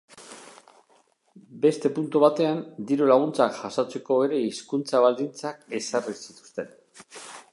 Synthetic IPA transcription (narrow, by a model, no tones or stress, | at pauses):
be̞st̪e̞punt̪uβat̪e̞and̪iɾolaɣ̞unt͡sakʝasat͡se̞ko̞e̞ɾe̞iskunt͡saβald̪int͡sake̞sarisit̪u̥st̪e̞n